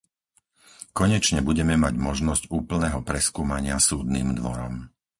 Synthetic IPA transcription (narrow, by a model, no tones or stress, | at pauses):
kɔɲɛt͡ʃɲɛbuɟɛmɛmaɟmɔʒnɔzcuːpl̩nɛːɦɔpɾɛskuːmaɲɪasuːd̪niːmd̪ʋɔɾɔ̰m